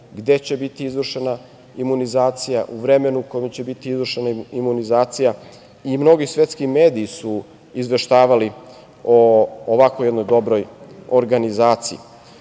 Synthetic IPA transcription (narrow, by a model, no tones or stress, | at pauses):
ɡd̪e̞t͡ɕe̞bit̪iizʋr̩ʃe̞na | imunizaːt̪sijaʔuʋɾeme̞nuuko̞imt͡ɕe̞bit̪iizvr̩ʃenaimunizaːt̪sija | imno̞ɡisʋʲe̞t̪skime̞ːd̪iːsu | izʋe̞ʃt̪aːʋali | ooʋakojed̪no̞jd̪o̞bɾo̞joɾɡanizaːt̪siḭ